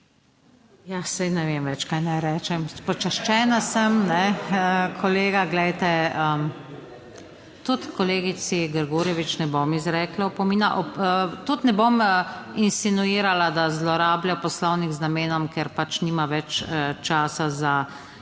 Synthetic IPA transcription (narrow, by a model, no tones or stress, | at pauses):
jasɛjnɛʋeːmʋɛt͡ʃkajnajɾɛːt͡ʃɛmpɔt͡ʃaʃt͡ʃɛːnasəmnɛəkʰɔleːɡaɡlɛjt̪ɛəm | t̪ut̪kɔleːɡisiɡəɾɡuɾjɛʋit͡ʃnɛbomizɾɛːklaɔpɔmiːnaʔɔt̪ut̪nɛbominsinuiːɾalad̪azlɔɾaːbljapɔslɔwniɡznameːnɔmkeɾpat͡ʃnimaʋɛt͡ʃət͡ʃaːsaza